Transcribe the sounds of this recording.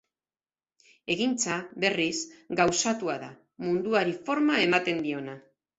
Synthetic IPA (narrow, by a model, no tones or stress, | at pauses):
e̞ɣint͡saβe̞risɡawsat̪uaða | mund̪uaɾifo̞ɾmae̞mat̪e̞nd̪io̞na